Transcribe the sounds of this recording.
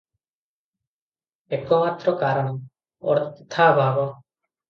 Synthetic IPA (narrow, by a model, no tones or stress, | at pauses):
eːkomaːt̪ɾɔːkaːɾəɽ | ɔ̰ɾt̪ʰːaːbʱaːɡɔ